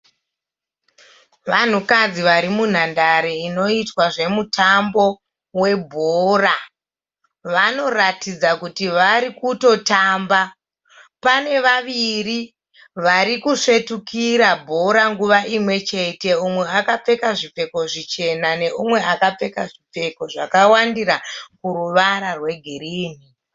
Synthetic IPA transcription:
ʋan̤ukad͡ziʋaɾimun̤andaɾeino̞itwaʐe̞mutʰambo̞ | we̞bʱoːra | ʋano̞ratid͡zakutiʋaɾikuto̞taːmba | pane̞ʋaʋiri | ʋaɾikuʂe̞tukiɾabʱo̞ɾaŋɡuʋaʔimwe̞t͡ʃe̞te̞umwe̞akap͡fe̞kaʐip͡fe̞ko̞ʐit͡ʃe̞nane̞ʔumwe̞akap͡fe̞kaʐip͡fe̞ko̞ʐakawandiɾakuɾuʋaɾarwe̞ɡʱiɾiːni

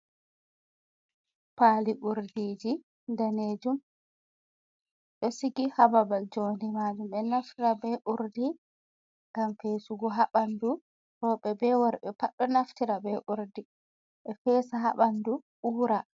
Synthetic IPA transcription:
paːliʔuɾdiːd͡ʒi | ndaneːd͡ʒum | ɗɔsiɡihababald͡ʒoːndɛmaːd͡ʒumɛnaftiɾabɛʔuɾdi | ŋɡamfeːsuɡɔɦaɓandu | ɾɔːɓɛbɛwɔɾɓɛpaɗːɔnaftiɾabɛʔuɾdi | ɓɛfɛsaɦaɓanduʔuːɾa

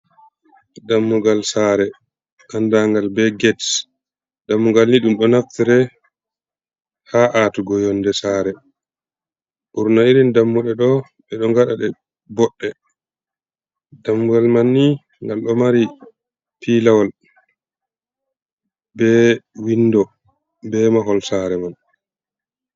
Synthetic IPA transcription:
damːuɡalsaːɾɛ | ʔandaŋɡalbɛɡɛts | d̥amːuɡalniɗumɗɔnaftiɾɛ | haʔatuɡɔjɔndɛsaːɾɛ | ɓuɾnaiɾindamːuɗɛɗɔ | ɓɛɗɔŋɡaɗaɗɛ | bɔɗːɛ | damːualmanːi | ŋɡalɗɔmaɾi | pʰilawal | bɛwinːdɔ | bɛmaɦɔlsaɾɛman

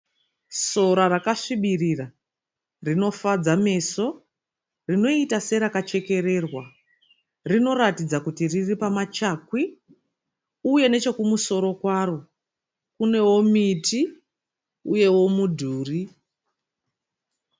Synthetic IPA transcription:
so̞ɾaɾakaʂiɓirira | rino̞fad͡zame̞so̞ | rino̞itase̞ɾakat͡ʃe̞ke̞ɾe̞rwa | rino̞ɾatid͡zakutiriripamat͡ʃakwi | uje̞ne̞t͡ʃo̞kumuso̞ɾo̞kwaːro̞ | kune̞wo̞miti | uje̞wo̞mudʱuːri

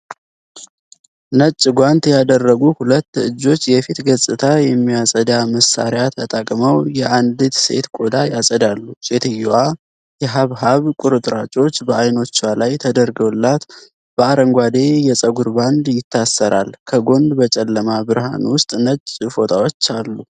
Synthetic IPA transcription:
nət͡ʃʼːɡʷant̪jad̪ərːəɡuhulət̪ːɨd͡ʒːo̞t͡ʃːjɛfit̪ɡəsʼɨt̪ʰajɛmːijasʼəd̪aməsa̰ɾjat̪ʰət̪ʼakʼməwjɛʔand̪ɨt̪se̞̰t̪kʼo̞d̪ajasʼəd̪alːuse̞t̪ʰɨjːwa | jɛɦaβɦaβkʷʼʊɾɨt̪ʼɾat͡ʃʼo̞t͡ʃːbəajno̞t͡ʃːalajt̪ʰəd̪əɾɡəwlːat̪ | b̥əaɾəŋɡʷad̪e̞jɛsʼəɡuɾband̪jɪt̪ʰːasːəɾalkʰəɡo̞nd̪bət͡ʃʼɛlːəmabɨɾɦa̰nwʊst̪ʼnət͡ʃʼːfo̞t̪ʼawo̞t͡ʃːalːu

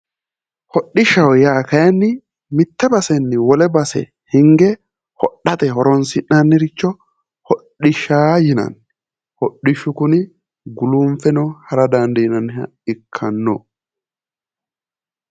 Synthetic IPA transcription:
hɔɗɪʃɐwjaːkɐjɐnːɪ | mɪt̪ːɛbɐsɛnːɪwɔlɛbɐsɛ̰ | hɪŋɡɛ | hɔɗːɐt̪ɛhɔɾɔnsɪnːɐnːɪɾɪt͡ʃːɔ | hɔɗɪʃaːjɪnɐ̰n | hɔɗːɪʃʊkʊnɪ | ɡʊlumfɛnɔhɐɾɐd̪ɐnd̪ɐjɪnɐnɪɦɐ̰ | ɪkʰːɐnːɔ

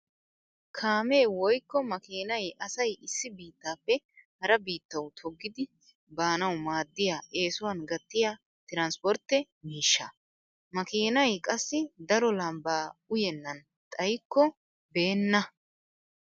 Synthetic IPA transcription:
kʰaːmeːwɔjkːɔmɐkiːnɐjʔɐsɐjɪsːɪbiːt̪ːaːpːɛ | hɐɾɐbiːt̪ːɐwt̪ʰɔɡːɪd̪ɪ | baːnɐwmaːd̪ːɪjaːʔe̞ːsʊwɐnɡɐt̪ːɪjaː | t̪ɪɾaːnspɔɾt̪ːɛ | miːʃːɐ | mɐkiːnɐjkʼɐsːɪd̪ɐɾɔlɐmbaːʊjɛnːɐn | t̪ʼɐjkːɔ | be̞ːnːɐ

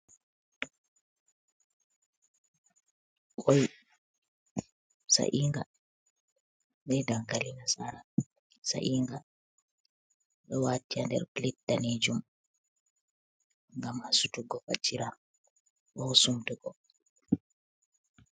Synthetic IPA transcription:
kɔj | sa̰ʔiːŋɡa | ɓɛdaŋkalinasaɾa | sa̰ʔiːŋɡa | ɗɔwatːiandɛ̰ɾklitːaned͡ʒum | ŋɡamhasutuɡɔfa̰tʰːiɾa | ɗɔsumtuɡɔ

